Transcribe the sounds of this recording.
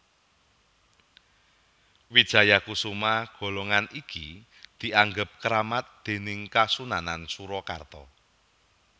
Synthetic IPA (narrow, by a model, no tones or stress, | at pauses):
wid̥ʒ̥a̤jakusumaɡ̥o̤lɔŋaniki | d̪̥i̤ʔaŋɡəp̚kəɾamat̪̚d̪̥e̤nɪŋkasunanansuɾɔkart̪ɔ